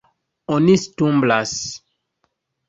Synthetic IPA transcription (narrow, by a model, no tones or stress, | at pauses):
onistũmblas